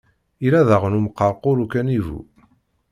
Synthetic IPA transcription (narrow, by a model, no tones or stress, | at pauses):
iɾæðəʁnumqːɑɾqʊɾukænivṵ